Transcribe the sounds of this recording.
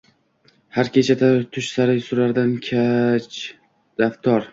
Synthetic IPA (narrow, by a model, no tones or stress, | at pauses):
haɾkʲʰe̞t͡ʃʰat̪ʰat̪ʰʊʃsaɾɪjsʊɾaɾd̪ankʲʰat͡ʃ | d̪aft̪ʰɒɾ